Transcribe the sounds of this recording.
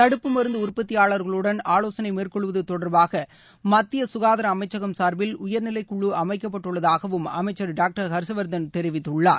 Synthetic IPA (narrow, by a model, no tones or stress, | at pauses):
t̪ɐɽɯpːɯmɐɾɯnd̪ɐʊɾpːɐt̪ːɪjaːɭɐɾɣɐɭɯɽɐnaːloːsɐnɐɪmeːrkɔɭɯʋɐðɯt̪ɔɽɐɾbaːɣɐ | mɐt̪ːɪjɐsʊɣaːðɐɾɐːmɐɪt͡ʃːɐɣɐmsaːɾbɪlʊjɐɾnɪlɐɪkːʊɭːɯʔɐmɐɪkːɐpːɐʈːɯɭːɐðaːɣɐʋɯmɐmɐɪt͡ʃːɐɾɖaːk̚ʈɐɾkɐɾsɐʋɐɾd̪ɐnt̪ɛɾɪʋɪt̪ːɯɭːaːɾ